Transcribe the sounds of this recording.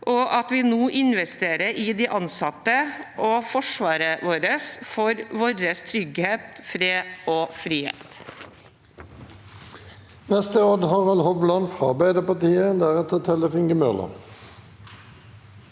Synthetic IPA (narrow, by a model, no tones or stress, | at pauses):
ʔɔʔɑt̪ʋɪːnoːʔɪnʋɛst̪eːɾəɾɪd̪iːʔɑnsɑt̪ːəʔoːfɔʂʋɑːɾəʋoːɾəsfɔɾʋɔːɾəst̪ʰɾʏɡheːt̪fɾeːoːfɾiːhḛːt̪ | nɛst̪əoːd̪hɑʁɑlhɔʋlɑnfʁɑʁbæɪd̪əpɑʁt̪ʰiːəd̪æʁɛt̪ət̪ʰɛləfɪŋɡəmœlə̰